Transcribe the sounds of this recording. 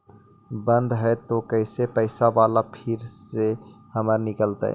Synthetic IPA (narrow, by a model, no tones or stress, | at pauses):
bə̃nd̪ɦɛet̪okəɪsepəɪsaʋaːlapʰɪɾsehəməɾnɪkəlt̪ə̰ɛ̰